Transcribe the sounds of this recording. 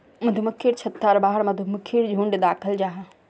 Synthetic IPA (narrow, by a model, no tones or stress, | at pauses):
mɐd̪ʱuməkʰːiːɽt͡ɕʰɐt̪ːaːɾbaːɦəɾmɐd̪ʱuməkʰːiːɾd͡ʑʱũːɳɖd̪aːkʰəld͡ʑaːɦa